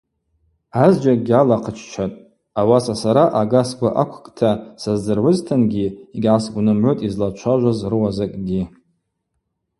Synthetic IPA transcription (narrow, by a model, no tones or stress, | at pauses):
azd͡ʒakʼɡʲalaqʰət͡ʃʰt͡ʃʷʰatʼ | awasasaɾaʔaɡasɡʷaʔakʷʰkʼtʰasazd͡zɨrʕʊztʰanɡʲiiɡʲʕasɡʷnɨmʕʷotʼizlat͡ʃʷʰaʒʷazrɨwazakʼɡʲi